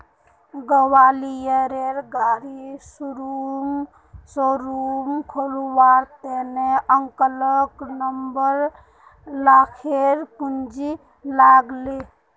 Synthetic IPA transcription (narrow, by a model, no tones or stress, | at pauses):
ɡəwalijəɾeɾɡaɾisuɾum | soɾumkʰoluwaɾt̪eneəŋkələknəmbəɾ | lakʰeɾpund͡ʒi | laɡli